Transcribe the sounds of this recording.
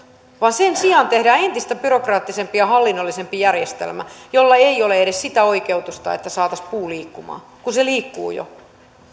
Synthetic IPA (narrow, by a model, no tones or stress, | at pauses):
ʋɑːnsensiɑnt̪ehdæːent̪ist̪æpyrokrɑːt̪ːisempijɑhɑlːinːolːisempijærjest̪ḛlmæ̰jolːɑeioleeɾessit̪æoikeut̪ust̪ɑḛt̪ːæsɑːt̪ɑspuːliːkːumɑ̰ː | kunseliːkːṵːjo̰